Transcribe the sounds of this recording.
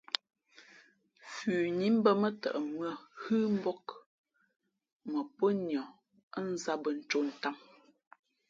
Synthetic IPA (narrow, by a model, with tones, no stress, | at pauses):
fʉː˨ɲi˦m̩˦bə˦mə˦tə̰˨ʔə˨mɰə˦˨hɨ˦m̩˦bɔ˦k | mə˨pə˦njɔ˨ | ə˦n̩˦za˦bə˨n̩˨˦t͡ʃo˦˨n̩˨ta˦˨m